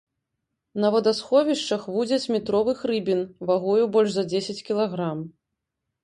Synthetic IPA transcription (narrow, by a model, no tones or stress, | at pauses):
nɐvɔd̪asxɔvʲiʂt͡ʂɐxvud͡zʲɐt͡sʲmʲit̪ɾɔvɨxɾɨbʲinvaɣɔjubɔlʲʂzɐd͡zʲesʲɐt͡sʲkʲilˠaɣɾam